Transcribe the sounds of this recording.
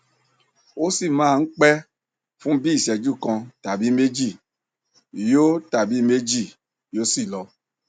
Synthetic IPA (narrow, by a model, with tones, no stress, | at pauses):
o˦si˦˨mãː˦˧n̩˦k͡pɛ˦ | fũ˦bi˦i˦˨ʃɛ˧d͡ʒu˦˨kã˧ta˨bi˨˦me˦d͡ʒi˦˨ | jo˦ta˨bi˨˦me˦d͡ʒi˦˨ | jo˦si˦˨lɔ˧